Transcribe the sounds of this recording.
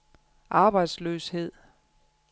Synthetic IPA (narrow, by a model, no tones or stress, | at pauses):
ʔɑ̈ːb̥ɑ̈ɪ̰d̥sløːshe̝ð̞̰ˠ